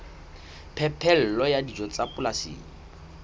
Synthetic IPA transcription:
pʰɛpʰɛl̩lɔjadid͡ʒɔt͡sapʼʊlasḭːŋ̩

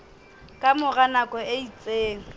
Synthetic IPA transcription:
kʼamʊɣanakʼɔeit͡sʼeːŋ̩

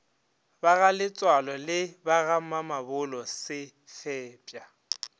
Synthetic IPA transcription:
baɣalɪt͡sʼwalɔlɪbaɣamamabʊlɔsɪ | fɛːpʼja

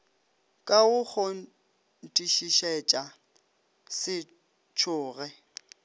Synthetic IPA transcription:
kʼaʊk͡xʰo | n̩tʼiʃiʃɛt͡ʃʼa | sɪ | t͡ʃʰʊːɣɛ

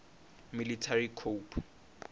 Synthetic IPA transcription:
militʰarikʰopʰ

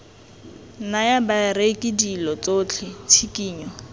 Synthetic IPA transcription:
najabarekʼɪdilɔt͡sot͡ɬʰɪt͡sʰikʼiːɲɔ

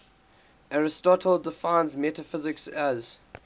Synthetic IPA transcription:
ʔaɹɪstɔtʰəlˠdɪfãɪ̃nzmɛtəfɪzɪksæz

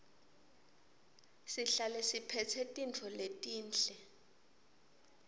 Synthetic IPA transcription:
siɬalɛsipʰɛt͡sʰɛtʼint͡fʰɔletʼiːnt͡ɬɛ

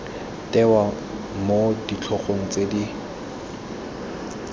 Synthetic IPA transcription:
tʼɛwa | modit͡ɬʰɔχoŋ̩t͡sedi

